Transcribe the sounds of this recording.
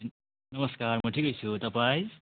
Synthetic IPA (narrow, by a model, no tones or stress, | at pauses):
nʌmʌskaɾmoʈʰikʌjsʰut̪ɐpaj